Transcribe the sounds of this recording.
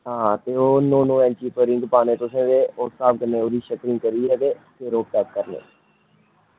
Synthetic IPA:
ɦãːt̪eːoːnõːnõːɛ̃ːnt͡ʃiːpəɾɪ̃ŋɡpaːnẽːt̪osẽːʋeːoːsaːbkəɾneːoːɾiːʃəkɾɪ̃ːkəɾiːɾəɡeːt̪eːɾoːp̚t̪ɛk̚kəɾnḛː

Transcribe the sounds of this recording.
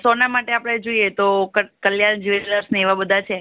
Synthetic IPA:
sonamaʈeapɽ̃ed͡ʒoiet̪okəkəljand͡ʒiʋeləɾsneːʋabəd̪ʱat͡ʃʰe

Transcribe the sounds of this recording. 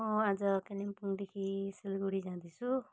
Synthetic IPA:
ad͡zʌkelimpund̪ekʰiselɡuɽid͡zãd̪it͡sʰu

